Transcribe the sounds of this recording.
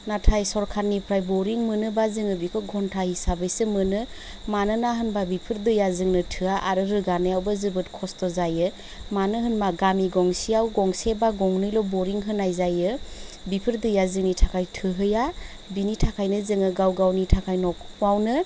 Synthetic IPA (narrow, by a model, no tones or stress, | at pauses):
natʰajsɔɾkʰaɾnipʰɾajbɔɾiŋmɯnɯbazɯŋɯbikʰɔɡʱɔntʰahisabɯjsɯmɯnɯ | manɯnaɦɯnbabipʰɯɾdɯjazɯŋnɯtʰɯaʔaɾɯɾɯɡanɯjawbazɯbɯtkʰɔstɔzajɯ | manɯɦɯnmaɡamiɡɔŋsijawɡɔŋsebaɡɔŋnɯjlɔbɔɾiŋɦɯnajzajɯbipʰɯɾdɯjazɯŋnitʰakʰajtʰɯɦɯja | binitʰakʰajnɯzɯŋɯɡawɡawnitʰakʰajnɔkwawnɯ